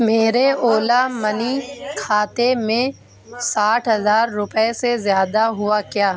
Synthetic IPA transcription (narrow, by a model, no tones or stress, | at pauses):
meːɾeoːlamɐnikʰaːt̪emẽ | saːʈʰɦɐzaːɾːʊpəesezjaːd̪aɦʊakjaː